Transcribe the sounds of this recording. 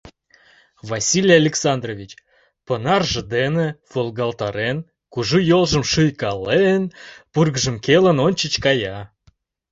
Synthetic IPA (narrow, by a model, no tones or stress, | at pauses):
vɑsʲilʲjalʲeksɑnd̪rovʲit͡ɕ | pənɑrʒə̆d̪enĕvolˠɡɑlt̪ɑɾen | kuʒujolˠʒə̆mʃɨjkɑlenpurɣəʒə̆mkelə̆nonʲt͡ɕət͡ɕkɑjɑ